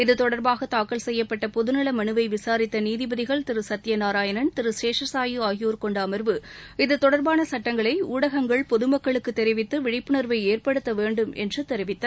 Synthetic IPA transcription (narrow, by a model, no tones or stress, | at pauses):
ɪðɯt̪ɔɽɐɾbaːɣɐt̪aːkːɐɭsɛjːɐpːɐʈːɐpɔðɯnɐɭɐmɐnɯʋɐɪʋɪsaːɾɪt̪ːɐniːðɪbɐðɪɣɐɭt̪ɪɾɯsɐt̪ːɪjɐnaːɾaːjɐnɐnt̪ɪɾɯseːʂɐsaːjɯaːjjuːɾkɔɳɖaːmɐɾʋɯɪðɯt̪ɔɽɐɾbaːnɐsɐʈːɐŋɡɐɭɐɪuːɽɐɣɐŋɡɐɭpɔðɯmɐkːɐɭɯkːɯt̪ːɛɾɪʋɪt̪ːɯʋɪɽɪpːɯɳɐɾʋɐɪeːrpɐɽɯt̪ːɐʋeːɳɖɯmɛ̰ndrɯt̪ɛɾɪʋɪt̪ːɐ